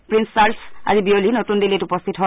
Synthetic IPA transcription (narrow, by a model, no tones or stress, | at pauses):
pɹinsːaɹsa̰zibiolinotundiletupɔst̪ʰitɦɔ